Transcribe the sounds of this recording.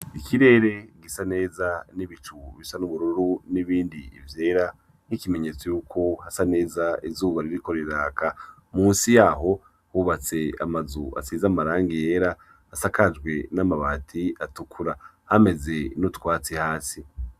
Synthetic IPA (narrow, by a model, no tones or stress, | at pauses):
ikʰiɾe̞ːɾe̞ɡisane̞ːzaniβit͡ʃuβisanuβuɾuɾuɾuniβiːndiḭvje̞ːɾa | nikimeɲe̞t͡sojuːkʰo̞hasane̞ːzaizuːβaɾiɾiko̞ɾeɾaːka | muːnsijaːɦo̞ | huβat͡se̞a̰mazua̰siːzamaɾaːŋɡije̞ːɾaː | sakad͡ʒɡwe̞namaβatʰiatukʰuɾa | hame̞ze̞nutkwaːt͡sihaːsi